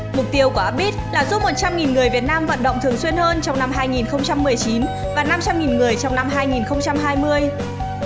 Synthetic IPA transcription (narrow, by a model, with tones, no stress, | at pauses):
mʊ˨˩k͡p̚t̪i˧əwkːʔaː˦˥p̚ɓi˦˥t̚laː˨˩zu˧˥mo˨˩t̚t͡ɕa˧mŋi˨˩nŋɨ˨˩əjvi˨˩ət̚naː˧mvə̰˧˨nɗə̰˧˨wŋ͡mt̪ʰɨ˨˩əŋswi˧ənhəː˧nt͡ɕɔ˧wŋ͡mna˧mɦaː˧jŋi˨˩nxə˧wŋ͡mt͡ɕa˧mːɨ˨˩əjt͡ɕi˨˦n | vaː˨˩na˧mt͡ɕa˧mŋi˨˩nŋɨ˨˩əjt͡ɕɔ˧wŋ͡mna˧mɦaː˧jŋi˨˩nxə˧wŋ͡mt͡ɕa˧mɦaː˧jmɨ˧əj